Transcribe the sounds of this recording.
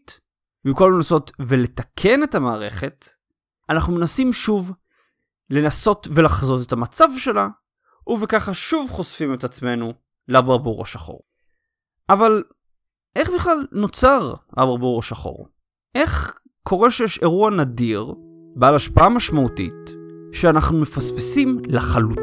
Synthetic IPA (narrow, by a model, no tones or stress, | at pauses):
t | miko̞lmenaso̞tvele̞takʰe̞ne̞tamaːʁe̞χe̞t | anaχnumenasimʃuv | le̞naso̞tve̞laχzo̞tetamat͡savʃe̞la | ʔuvekaχaʃuvχo̞sfime̞tat͡sme̞nu | labaʁbuʁa̰ʃaχo̞̰ʁ | ʔaval | ʔe̞χbiχlalno̞t͡saʁabaʁbuʁaʃaχo̞̰ʁ | ʔe̞χ | kʰo̞ʁe̞ʃejeʃe̞ʁuanadiʁ | bealaʃpaamaʃmautḭtʃeanaχnume̞fasfesimlaχalut